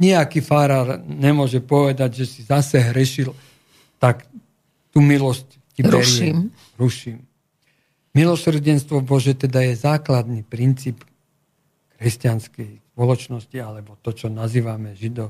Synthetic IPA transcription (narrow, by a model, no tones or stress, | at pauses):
ɲɛakifaɾaːɾɲɛmʊɔʒɛpɔʋɛd̪aɟʒɛsizasɛɦɾɛʃil | t̪ak | t̪uːmilɔsc | cibɾuɛɾɪʃɛim | ɾuʃiːm | milɔsr̩ɟɛnst̪ʋɔbɔʒɛt̪ɛd̪ajɛzaːklad̪nipɾint͡siːp | kɾɛscanskɛjspɔlɔt͡ʃnɔscialɛbɔt̪ɔt͡ʃɔnaziːʋamɛʒid̪ɔ